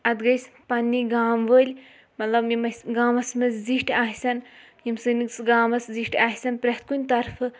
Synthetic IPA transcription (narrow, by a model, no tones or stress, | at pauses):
ɐd̪ɡɐjsʲpɐnʲːiɡaːmʋəːlʲ | mɐt̪lɐbjimɐsʲɡaːmɐsmɐzʲziʃʈaːɦʲsɐn | jimsɨniksɡaːmɐsziʃʈaːhʲsɐnpɾʲɐht̪̚kunʲt̪ɐɾfʰɨ